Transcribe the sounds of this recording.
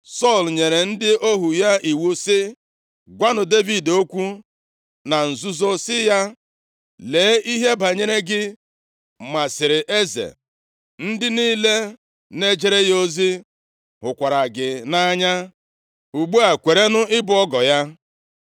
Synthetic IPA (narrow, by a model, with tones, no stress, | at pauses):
sɔ˦˨lɲe˨ɾe˨n̩˦dɪ˦ʔo˦ɦu˨ja˦i˨wu˦sɪ˦ | ɡʷa˦nʊ˨de˦vi˨do˦kʷu˦ | na˨n̩˨zu˦zo˦sɪ˦ja˦ | leː˨˦i˦ɦe˦ba˨ɲe˦ɾe˦ɡɪ˦ | ma˨sɪ˨ɾɪ˨ʔe˦zḛ˨ | n̩˦dɪ˦niː˦le˦ | ne˦d͡ʒe˦ɾe˦jo˦zi˦ | ɦʊ˨kʷa˨ɾa˨ɡɪ˨na˦ɲa˦ | u˨ɡ͡bu˦a˨kʷe˨ɾe˦nʊ˦ɪ˦bʊ˨˦ɔ˦ɡɔ˨ja˦